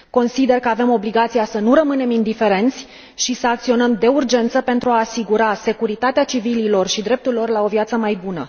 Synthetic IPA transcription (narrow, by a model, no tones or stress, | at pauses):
ko̞nsid̪e̞rkəave̞mo̞bliɡat̪sijasənuɾəmɨne̞mind̪ife̞ɾe̞nt̪sʲ | ʃisəak̚t̪sio̞nəmd̪e̞urd͡ʒe̞nt̪səpe̞nt̪ɾuaːsiɡuɾase̞kuɾit̪at̪eat͡ʃivililo̞rʃid̪ɾe̞p̚t̪urilo̞rlao̞vjat̪səmajbunə̰